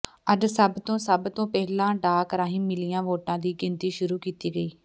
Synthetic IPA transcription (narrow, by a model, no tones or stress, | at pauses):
əd͡ʒsəbt̪õːsəbt̪õːpɛːlãːɖaːkəɾãːɦĩːmɪliːãːʋoːʈãːd̪iːɡɪnt̪iːʃʊɾuːkiːt̪iːɡəiː